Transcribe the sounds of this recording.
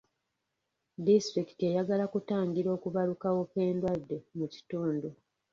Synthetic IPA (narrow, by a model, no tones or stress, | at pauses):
distɾiki̥te̞jaɡalakutaːŋɡiɾo̞ːkuβalukawo̞ke̞ːndwadːe̞muci̥tuːndu